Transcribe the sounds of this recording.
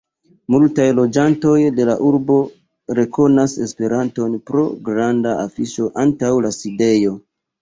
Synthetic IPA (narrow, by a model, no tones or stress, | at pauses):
multajlo̞d͡ʒanto̞jde̞laʔuɾbo̞ | ɾe̞ko̞nase̞spe̞ɾanto̞npɾo̞ɡɾandaafiʃo̞ʔantawlaside̞jo̞